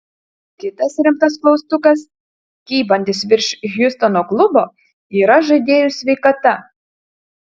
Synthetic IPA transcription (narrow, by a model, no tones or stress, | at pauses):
kʲɪt̪ɐsɾʲɪmt̪ɐs̬klˠɒʊst̪ʊkɐs | kʲiːbɐnʲd̪ʲɪsʋʲɪɾʲʃʲɣʲjʊst̪ɔnoːklˠʊboː | iːɾɐʒɐɪd̪ʲeːjʊsʲʋʲɛɪkɐt̪ɐ